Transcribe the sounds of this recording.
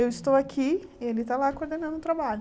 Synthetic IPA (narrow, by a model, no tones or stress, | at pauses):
ewɪst̪owakʰiielɪt̪alakoɾd̪enɐ̃nd̪ʊt̪ɾabaʎʊ